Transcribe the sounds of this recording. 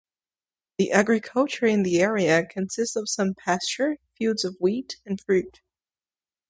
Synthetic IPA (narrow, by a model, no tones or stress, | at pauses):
ðiʔæɡɹɨkʰʌlˠt͡ʃə˞ɨ̃nðiɛɹiɨkʰɨ̃nsɪstsʌv̥sʌ̃mpʰæst͡ʃə˞fjʉdzʌvwiɾɨ̃nfɹʉt̚